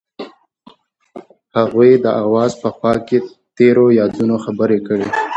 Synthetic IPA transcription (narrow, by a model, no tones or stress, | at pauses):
haɣujd̪əʔawɑzpəxɑkːe | t̪eɾojɑd̪unoxabəɾekəɽe